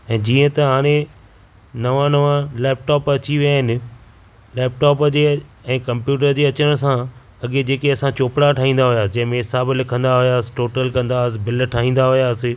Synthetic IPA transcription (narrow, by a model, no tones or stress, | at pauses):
ɛ̃ːd͡ʑiːə̃t̪ɐɦaːɽ̃ẽ | nɐʋãnɐʋãlɛːp̚ʈɔːpɐt͡ɕiʋijaɦɪnɪ̆ | lɛːp̚ʈɔːpəd͡ʑeːɛ̃ːkɐ̃mpjuːʈ̬əɾd͡ʑeːɐt͡ɕəəɽ̃sã | ɐɠed͡ʑeːkeɐsãt͡ɕoːpɽaʈʰaːɦĩːnd̪aɦʊjaːsɪd͡ʑɐ̃ɦɪ̃mẽɪsaːbɪlɪkʰə̃nd̪aɦʊjaːsɪ̥ʈoːʈəlkɐ̃nd̪asɪ̆bɪlʈʰaːɦĩːn̆d̪aɦʊjaːsɪ̆